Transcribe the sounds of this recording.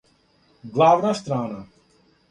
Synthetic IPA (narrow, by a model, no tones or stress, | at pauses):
ɡlaːʋnast̪ɾaːna